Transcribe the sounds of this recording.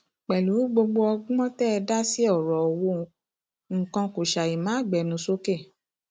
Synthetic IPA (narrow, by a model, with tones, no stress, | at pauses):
k͡pɛ˨lu˨˦ɡ͡bo˧ɡ͡bo˧ɔ˧ɡ͡bɔ̃˦tɛ˦ɛ˧da˦si˦ɔ˦˨ɾɔ˨wo˧˦˨ | ŋ̩˨kɔ̃˧ko˨ʃa˨i˨mãː˨˦˨ɡ͡bɛ˨nũ˨˧˦so˦ke˦˨